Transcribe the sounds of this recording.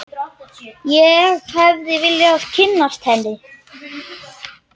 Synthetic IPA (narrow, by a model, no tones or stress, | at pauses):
jɛɣhɛvðɪvɪljɪascʰɪnːast̪hɛnːɪ